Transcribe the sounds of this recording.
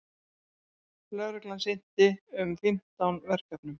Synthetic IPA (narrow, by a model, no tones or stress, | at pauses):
flœɾʏklansejn̥t̪ɪʏmfɪm̥t̪awnvɛr̥kat̪nʏm